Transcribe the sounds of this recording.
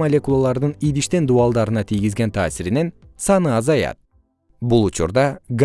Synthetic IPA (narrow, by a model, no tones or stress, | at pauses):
mɐlʲekulˠalˠɑɾd̪ɯnijd̪iʃt̪end̪uɑlˠd̪ɑɾɯnɑt̪ʰijɡizɡent̪ʰaːsiɾine̞nsɑnɯɑzɑjɑ̰t̪̚ | bulˠut͡ʃuɾd̪ɑɡ